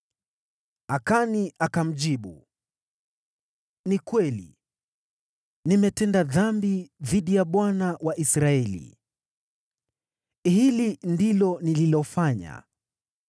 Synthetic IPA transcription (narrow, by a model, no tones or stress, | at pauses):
akaniʔakam̩ʄiɓṵ | nikwɛlḭ | nimɛtɛndaðambiðiɗijaɓwanawaʔisɾaɛlḭ | hilindilɔnililɔfaɲa̰